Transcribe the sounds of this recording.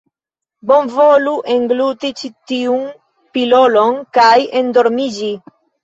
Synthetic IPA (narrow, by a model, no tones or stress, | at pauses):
bo̞nvoluʔeŋɡlut̪it͡ʃitiun | pilo̞lo̞nkajendo̞ɾmid͡ʒi